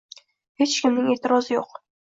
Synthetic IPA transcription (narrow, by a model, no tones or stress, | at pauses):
het͡ʃkʲʰɪmnɪŋe̞ːt̪ʰɪɾɒzɪjoq